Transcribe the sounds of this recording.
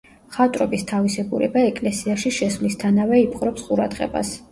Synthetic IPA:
χat̪ʼɾɔbist̪ʰavisɛɡuɾɛ̰baɛkʼlɛsiaʃiʃɛsvlist̪ʰanavɛipʰʼqʼɾɔpsqʼuɾa̰d̪ʁɛ̰ba̰s

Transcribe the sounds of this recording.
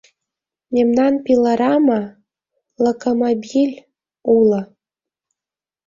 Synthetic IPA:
memnɑnpilɑɾɑmɑ | lokomobʲilʲ | ulɤ̆

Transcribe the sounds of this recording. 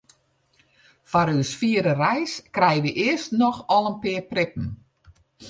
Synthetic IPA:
faɾøsfiəɾərɛjskrɛjəʋəʔɪəstnɔxɔlˠənpɪːprɪpn̩

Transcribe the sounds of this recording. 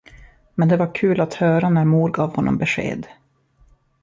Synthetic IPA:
mɛnd̪ɛvaɾkʰʉ̟ːlat̪hœːɾanæɾmuːɾɡɑːvhɔnːɔ̰mbɛʂḛːd̪

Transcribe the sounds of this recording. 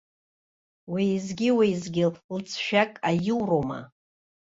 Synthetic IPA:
wiizɡʲiwejzɡʲɪllt͡sʰʃᶣakʼajɪwroma̰

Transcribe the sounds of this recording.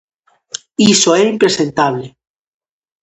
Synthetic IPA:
isoeɾimpɾe̞se̞nt̪aβle

